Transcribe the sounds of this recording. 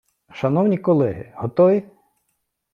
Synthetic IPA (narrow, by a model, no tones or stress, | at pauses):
ʃɐnɔwnʲikɔlˠɛɦɪ̰hɔt̪ɔʋʲi